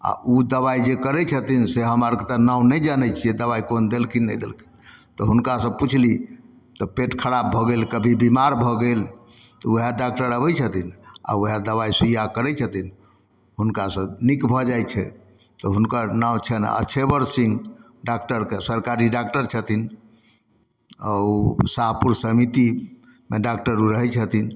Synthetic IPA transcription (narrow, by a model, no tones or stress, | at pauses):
a̰ud̪əβaid͡ʒekəɾɛt͡ʃʰət̪inseɦəmaɾket̪ənaũnɛd͡ʒanɛt͡ʃʰed̪əβaikond̪elkinɛjd̪ḛlki | t̪ɔɦunkasəb̚put͡ʃʰli | t̪ɔpeʈkʰəɽab̚ʱɔɡelkəbʱibimaɾbʱɔɡelt̪ɔoɦaɖak̚ʈəɾəβɛt͡ʃʰət̪ʰina̰oɦad̪əβaisujakəɾɛt͡ʃʰət̪ʰin | ɦunkasəbnikbʱɔd͡ʒajt͡ʃʰɛ̰ | t̪ɔɦunkəɾnãt͡ʃʰən̰ə̰t͡ʃʰebəɾsĩŋɡ | ɖak̚ʈəɾkesəɾkaɾiɖak̚ʈəɾt͡ʃʰət̪ʰin | a̰usaɦpuɾsəmit̪i | meɖakʈəɾuɾəɦɛt͡ʃʰət̪in